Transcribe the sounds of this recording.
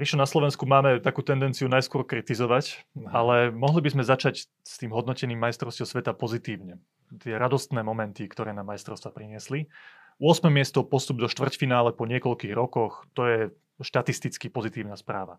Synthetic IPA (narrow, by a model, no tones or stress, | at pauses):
pɾiʃlɔnaslɔʋɛnskumaːmɛt̪akuːt̪ɛnd̪ɛnt͡siunajskʊɔɾkɾit̪izɔʋacalɛmɔɦlibizmɛzat͡ʃac | st̪iːmɦɔd̪nɔcɛniːmːajst̪ɾɔʊscɔʊsʋɛt̪apɔzit̪iːʊɲɛ | t̪ɪɛɾad̪ɔst̪nɛːmɔmɛnt̪ikt̪ɔɾɛːnamːajst̪ɾɔʊst̪ʋapɾiɲɪɛsli | ʊɔsmɛmɪɛst̪ɔpɔst̪ub̚d̪ɔʃt̪ʋvr̩cfinaːlɛpɔɲɪɛkɔʎkiːɣɾɔkɔxt̪ɔjɛ | ʃt̪at̪ist̪it͡skipɔzit̪iːʊnaspɾaːʋa